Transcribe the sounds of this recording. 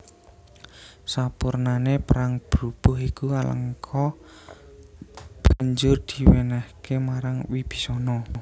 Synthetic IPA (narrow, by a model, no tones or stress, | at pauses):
sapurnanepəɾaŋb̥ɾub̥ɔ̤ɦikualə̰ŋkʰɔ | b̥a̤ɲd͡ʒʊrd̪̥i̤wenɛhkemaɾaŋwib̥i̥̤sɔnɔ